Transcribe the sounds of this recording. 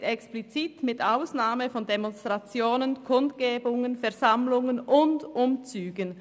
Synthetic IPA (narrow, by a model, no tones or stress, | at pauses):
ɛksplit͡sitmɪtaʊsnaːməfɔndemɔnstʁ̥at͡sjoːnənkʰʊntɡ̥eːbʊŋənfɛɐzamlʊŋənʊndʔʊmt͡syːɡən